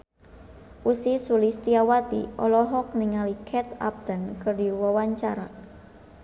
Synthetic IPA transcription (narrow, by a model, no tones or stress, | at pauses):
ʔusisulist̪iawat̪ḭʔɔlɔɦɔk̚niŋalikʰɛt̪a̰p̚d̪̥ənkərdiwəwaɲt͡ʃaɾa